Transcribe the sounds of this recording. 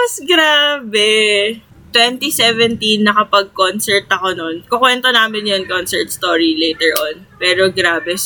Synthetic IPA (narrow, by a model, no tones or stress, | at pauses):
mɐsɡɾaːbɛ | t̪wɛnt̪isɛvɛnt̪inːɐkɐpɐɡ̚konsɛɹt̪ɐko̞nonkokwɛnt̪onaːmɪnjonkonsɛɹt̪̚st̪oːɹilɛjt̪ɛɹʔonpɛːɾoɡɾaːbɛ